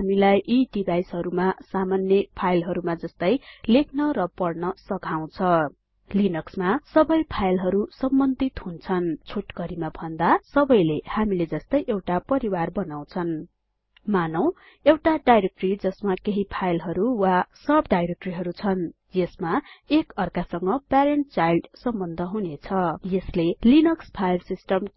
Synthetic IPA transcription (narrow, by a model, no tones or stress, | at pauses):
hamilajʔiʈibajsɦʌɾumasamanjʌpʰajlɦʌɾumad͡zʌst̪ʌjlekʰnʌɾʌpʌɽnʌsʌkaw̃t͡sʰʌ | linʌksmasʌbʌjpʰajlɦʌɾusʌmbʌnd̪it̪hunt͡sʰʌnt͡sʰoʈɡʌɾimabʱʌnd̪asʌbʌjlehamiled͡zʌst̪ʌjʔewʈapʌɾiwarbʌnaw̃t͡sʰʌn | manʌw̃ | ewʈaɖajɾek̚ʈrid͡zʌsmakeɦipʰajlɦʌɾuwasʌbɖajɾek̚ʈriɦʌɾut͡sʰʌn | jesmaekʌrkasʌŋɡʌpaɾeɳʈ̚t͡sajlɖsʌmbʌnd̪ʱʌɦunet͡sʰʌjeslelinʌkspʰajlsisʈʌm